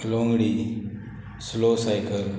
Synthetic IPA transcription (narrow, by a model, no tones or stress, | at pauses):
lõŋɡɽi | slosajkəl